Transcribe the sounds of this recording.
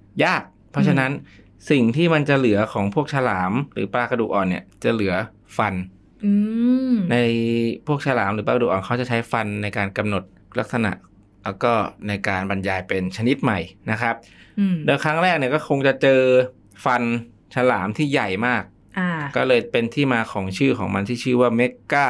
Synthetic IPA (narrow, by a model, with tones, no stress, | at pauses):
jaː˥˩k̚pʰɔ˦˥t͡ɕʰa˧na˦˥n | si˨˩ŋt̪ʰiː˥˩ma˧nt͡ɕa˨˩lɯ˩˦ɐkʰɔː˩˦ŋpʰu˥˩k̚sʰa˧laː˩˦mɾɯ̰ː˩˦paː˧kʰa˧dṵ˨ʔɔː˨˩nːḭ˦˥˩ət͡ɕa˨˩lɯ˩˦ɐ | fa˧n | ɯ˧na˧jpʰu˥˩ək̚sʰa˧laː˩˦mɾɯː˩˦paː˧kduː˨ʔɔː˨nkʰa˦˥wt͡ɕa˨˩t͡ɕʰa˦˥jfa˧nːa˧jkaː˧nka˧mno˨˩t̪̚ | la˦˥k̚sa˧na̰˨˩ʔ | lɛ˦˥˩kɔː˥˩na˧jkaː˧nba˧njaː˧jpe˧nt͡ɕʰa˧ni˦˥t̪̚ma˨˩jna˦˥kʰa˦˥p̚ː | doː˧jkʰɾa˦˥ŋɾɛː˥˩k̚ni˥˩əkɔː˥˩kʰo˧ŋt͡ɕa˨˩t͡ɕɤː˧ | fa˧n | t͡ɕʰa˧laː˩˦mt̪ʰiː˥˩ja˨˩jmaː˥˩k̚ | ʔaː˧˩ɔː˥˩lɤː˧jpe˧nt̪ʰiː˥˩maː˧kʰɔː˩˦ŋt͡ɕʰɯː˥˩kʰɔː˩˦ŋma˧nt̪ʰiː˥˩t͡ɕʰɯː˥˩waː˥˩me˦˥kːaː˥˩